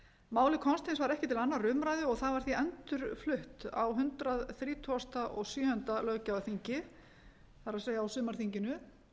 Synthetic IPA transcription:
maːwlɪkʰɔnst̪ɪnsvaɾɛhcɪt̪ʰɪlanːarʏːmɾajðʏɔɣθaðvaɾ̥θiœnt̪ʏɾ̥flʏht̪a̰wɦʏnt̪ɾaðθɾiːt̪ʰuast̪aʔɔɣsjœːhʏnt̪alœːcaaθiɲcɪ | θaɾaðseːjaawsʏːmaɾ̥θiɲcɪnʏ

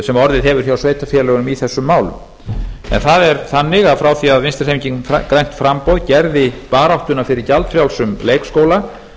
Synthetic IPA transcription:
sɛmɔɾðɪðɦɛvʏɾ̥θjawsveːjt̪afjɛlœɣʏnʏmiθɛsːʏmːaːwlʏ̰m | ɛ̰nθaðɛɾθanːɪɣaðfɾawθiaðvɪnst̪ḁejmiɲciŋkɾajm̥t̪fɾampɔwðcɛɾðɪpaːɾawht̪ʏnafɪɾɪɾcalt̪fɾjawlsʏmleːjkskoːwla

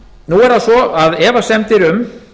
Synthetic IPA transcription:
nuɛɾðasɔaðɛːvasɛmt̪ɪɾʏm

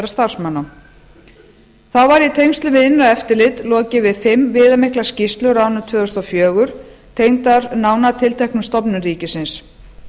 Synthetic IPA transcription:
ɾast̪ar̥smanːa | θawvaɾjɛt̪ʰejmst̪lʏvɪðɪnːaɛft̪ɪɾlɪt̪lɔːcɪvɪðfɪmvɪːðamɪhklḁscɪst̪lʏɾawnʏt̪ʰvœːɣʏst̪ɔwfjœːɣʏɾ̥t̪ʰejmt̪aɾnaːwnat̪ʰɪlt̪ʰɛhknʏmst̪ɔpnʏriːcɪsɪns

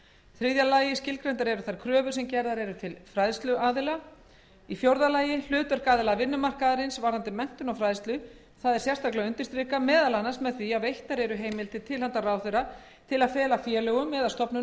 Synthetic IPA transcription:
θɾɪðjalaːjɪscɪlkɾejnt̪̬aɾɛɾʏθaɾ̥kʰɾœːvʏ̥sɛmcɛɾðaɾɛɾʏt̪ʰɪlfɾajðst̪lʏʔaːðɪla | ifjowɾðalaːjɪl̥ʏːt̪ʏɾ̥kaːðɪlavɪnːʏmar̥kaðaɾɪnsvaɾðant̪ɪmɛn̥t̪ʏnawfɾaːjðst̪lʏ | θaðɛɾ̥sjɛr̥t̪ʰaklaʏnt̪ɪst̪ɾɪːkamɛːðalanːḁsmɛðθviavejht̪aɾɛɾʏɦeːjmɪlt̪ɪt̪ʰɪlhant̪araːwθœɾa | t̪ʰɪlaðfɛːlafjɛlœɣʏmːɛːðast̪ɔpnʏ

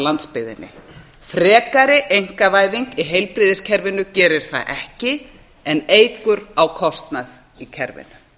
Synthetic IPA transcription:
lant̪spɪðɪ̰nːɪ̰ | fɾɛːkaɾɪʔejŋ̥kavaːjviŋkiɦejlpɾiːðɪscʰɛɾvɪnʏcɛːɾɪɾ̥θa̰ðʔɛhcɪ | ɛneːjkʏɾawkʰɔst̪nað | icʰɛɾvɪ̰nʏ

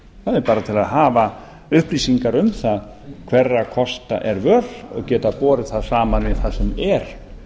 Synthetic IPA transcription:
θaðɛɾpaːɾat̪ʰɪlaðɦaːva | ʏhpliːsiŋkaɾʏmθað | kʰvɛrːakʰɔst̪a̰ʔɛɾvœlɔ̰ɣcɛːt̪apɔːɾɪ̥θaðsaːmanvɪθaðsɛmɛɾ̥

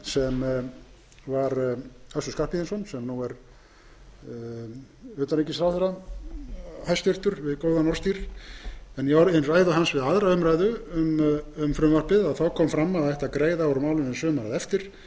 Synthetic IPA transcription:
sɛm | vaɾœsʏskar̥pɪθɛnsɔnsɛmnuɛɾ | ʏːt̪anejcɪsɾawθɛɾa | hajst̪jʏr̥t̪ʏɾvɪðkoːwðanɔr̥st̪iɾ̥ | ɛnjaɾɪnraːjðʏɦansvɪðaðɾaʏmɾajðʏʏmʏmfɾʏmvar̥pɪðaðθawkʰɔmfɾamːaðθɛjht̪aðkɾeːjðaɔɾʏmawlɪnɛsœːmaɾaðɛft̪ɪɾ̥

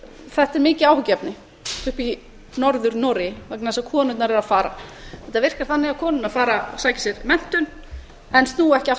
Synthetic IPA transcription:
θɛht̪ɛɾmɪːcɪaːwhʏcɛpnɪ | ʏhpi | nɔɾðʏɾnoːɾɪvaknaðsakʰɔːnʏt̪naɾɛɾaðfaːɾa̰θɛht̪avɪr̥kaɾ̥θanːɪaðkʰɔːnʏnafaːɾasaːcɪ̥sjɛɾmɛn̥t̪ʏn | ɛnst̪nuːɛhcɪa

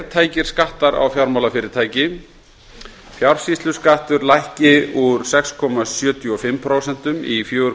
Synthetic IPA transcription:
ɾt̪ʰaːjcɪɾ̥skaht̪aɾa̰wfjawɾmawlafɪːɾɪɾt̪ʰaːjcɪ | fjawɾ̥sist̪lʏskaht̪ʏɾlajhcɪuɾ̥sɛkskʰɔmasjœːt̪ʰjʏɔfɪmːpʰɾoːwsɛn̥t̪ʏmifjoːʏɾ

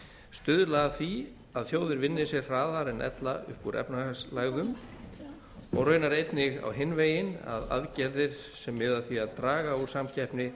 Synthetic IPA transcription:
st̪ʏðlaɣaθi | aðθjoːwðɪɾvɪnːɪsjɛrraːðaɾɛnʔɛ̰t̪laʏ̰hpuɾʔɛ̰pnaslaɣðʏm | ɔ̰ɣrœːɥnaɾejt̪nɪɣa̰wɦɪnːveːjɪna̰ða̰ðcɛɾðɪɾ̥ | sɛmːɪðaθiaðt̪ɾaːɣauɾ̥samcʰɛjhpnɪ

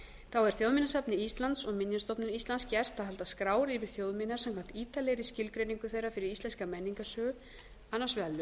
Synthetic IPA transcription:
θawɛɾ̥θjowðmɪnːasapnɪist̪lant̪sɔɣmɪnjanst̪ɔpnʏnist̪lanscɛr̥t̪aðɦɛlt̪askɾaːwɾɪvɪɾ̥θjowðmɪnaɾsamkʰwam̥n̥t̪iːt̪aleːjɾɪscɪlkɾeniŋkʏθejɾːafɪɾɪɾist̪ɛnskamejniŋkasœːɣʏ | anːasvɛlːʏ

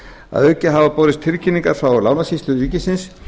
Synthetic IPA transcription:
a̰ðœcɪɦavapowðɪst̪ʰɪɾcʰiniŋkaɾ̥fɾawɔlaːwnasist̪lʏyːcɪsɪns

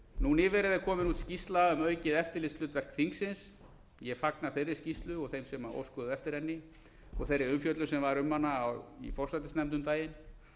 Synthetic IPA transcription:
nunɪːvɛɾɪðɪkʰɔːmɪnuːt̪scist̪laʏmœːɥcɪðɛft̪ɪɾlɪslʏːt̪vɛr̥kθiŋksɪns | jɛfaknḁfejrːɪ̥scist̪lʏɔɣθejmsɛmao̰wskɔðʏɛft̪ɪɾɛnːɪ | ɔ̰ɣθejɾːɪɾʏmfjœt̪lʏsɛmvaɾʏmːhanːaːwḭfɔr̥sat̪ɪsnɛmt̪ʏmt̪aːjɪn

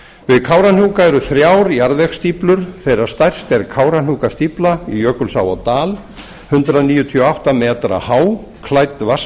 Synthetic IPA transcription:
vɪðkʰaːwɾan̥uːkaɛɾʏθɾjaːwɾjaɾðɛxst̪iplʏɾ̥θejɾaɾ̥st̪ajr̥st̪ɛɾkʰaːwɾan̥uːkast̪iplaijœːkʏlsa̰ːwa̰wt̪aːl | hʏnt̪ɾaniːjʏt̪ʰiɔawht̪amɛːt̪ɾa̰haːw | kʰlajt̪vas

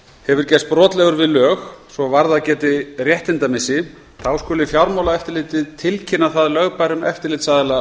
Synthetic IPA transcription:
hɛvʏɾ̥cɛst̪pɾɔːt̪lɛɣʏɾvɪðlœːxsvɔvaɾðaðcɛːt̪ɪrjɛht̪ɪnt̪amɪsɪ | θʰawskɔːlɪfjawɾmawlaɛft̪ɪɾlɪːt̪ɪðt̪ʰɪlcʰɪnːaθaðlœɣpajɾʏmɛ̰ft̪ɪɾlɪːt̪saðɪla

